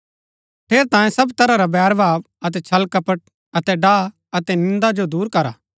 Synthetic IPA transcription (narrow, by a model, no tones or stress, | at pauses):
pʰeːɾt̪ãːjẽsɐbt̪ɐɾaɾabɛːɾbʱaːb | ɐt̪ɛt͡ʃʰɐlkɐpəʈ̚ | ɐt̪ɛɖaː | ɐt̪ɛnɪ̃nd̪ad͡ʒod̪uːɾkɐɾa̰ː